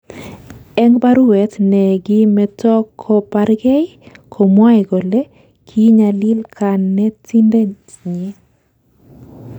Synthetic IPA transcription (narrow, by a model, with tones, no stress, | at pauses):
ɛ˦ŋba˦ɾuwɛ˨tnɛ˨ɡɪ˦mɛtɔ˦kʰːɔ˦paɾɡɛ˦jkʰo˨mwa˦jɡo˨le˦ | kʰi˦ɲa˨li˦lkʰa˨nːɛ˦ti˦nde˦ | ɲɛ˦